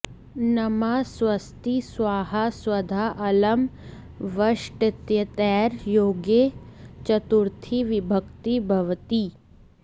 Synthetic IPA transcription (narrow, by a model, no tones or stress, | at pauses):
nɐmaːswɐst̪iswaːɦaswɐd̪ʱaːʔɐlɐm | ʋɐʃʈɪt̪jɐt̪ɛːɾjoːɡet͡ʃɐt̪uɾt̪ʰiʋɪbʱəkt̪ibʱɐʋt̪i